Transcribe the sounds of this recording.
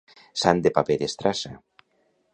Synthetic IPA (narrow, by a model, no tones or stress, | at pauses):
sand̪epapeðest̪ɾasa